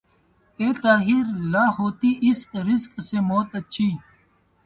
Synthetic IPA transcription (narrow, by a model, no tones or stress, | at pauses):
eːt̪aːɦiɾlaːhoːt̪iːʔɪskɾɪskseːmoːt̪ət͡ʃʰiː